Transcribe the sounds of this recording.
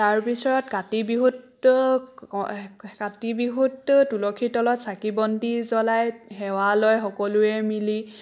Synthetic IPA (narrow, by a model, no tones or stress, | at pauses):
taɹbisɔɹɔtkatibiɦut | katibiɦuttulɔkʰitɔlɔtsakibɔndizɔlajxɛwalɔjxɔkɔlʊɛmili